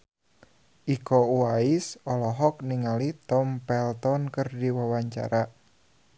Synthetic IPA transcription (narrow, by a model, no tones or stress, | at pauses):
ʔikɔuaɪsɔlɔɦɔk̚niŋalit̪ɔmpɛlt̪ɔnkɨrdiwawaɲt͡ʃa̰ɾa